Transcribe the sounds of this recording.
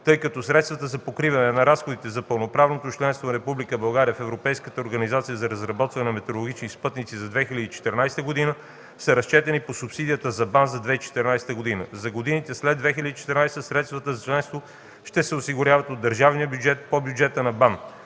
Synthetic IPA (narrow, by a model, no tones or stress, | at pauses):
t̪ɤjkɐt̪ɔsɾɛt̪st̪vɐt̪əzɐpokɾivɐnɛnɐɾasxod̪it̪ɛzɐpəlˠnopɾavnot̪ot͡ʃlɛnst̪vonɐɾɛpublikəbɐlˠɡaɾiəfɛvɾopɛjskə̥t̪əoɾɡɐnizat̪sijəzɐɾɐzɾɐbɔt̪vɐnɛnɐmɛt̪ɛɾolˠoɡʲit͡ʃnispɤt̪nit̪sizɐd̪vɛxilʲəd̪iːt͡ʃɛ̥t̪ɛɾnajst̪əɡod̪inə | sɐɾɐst͡ʃɛt̪ɛniposupsid̪ijət̪əzɐbanzɐd̪vɛit͡ʃɛ̥t̪ɛɾnajsɛ̥t̪əɡod̪inə̰zɐɡod̪init̪ɛslɛd̪vɛxilʲəd̪it͡ʃɛ̥t̪ɛɾnajst̪əsɾɛt̪st̪vət̪əzɐt͡ʃlɛ̃nst̪vo | ʃt̪ɛsɛosiɡʊɾʲavɐt̪od̪ːəɾʒavnijəbjud͡ʒɛt̪̚pobjud͡ʒɛt̪ənɐban